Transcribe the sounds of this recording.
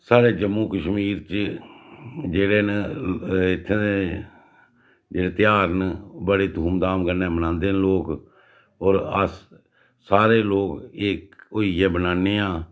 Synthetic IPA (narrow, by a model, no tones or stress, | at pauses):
saːɾeːd͡ʒəmːũːkəʃmiːɾt͡ʃ | d͡ʒeːɽeːn | ɪt̪ʰːee | d͡ʒeːɽeːt̪ɪjaːɾnbəɽeːd̪ʱuːmd̪aːmkəneːbənãːnd̪eːnloːk | ɔːɾə̰s | saːɾeːloːkeːkoːiɛːbənaːneːaː